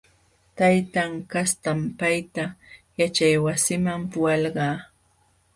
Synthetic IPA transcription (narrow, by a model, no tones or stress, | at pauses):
t̪ajt̪aŋkast̪ampajt̪ajat͡ʃajwasɪmampʊwɑlɢɑː